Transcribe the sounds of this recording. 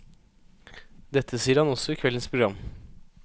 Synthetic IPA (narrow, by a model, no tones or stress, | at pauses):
d̪ɛt̪ʰːəsiːəɾhɑnɔsɔiːkʰʋɛlənspʰɾʊɡɾɑm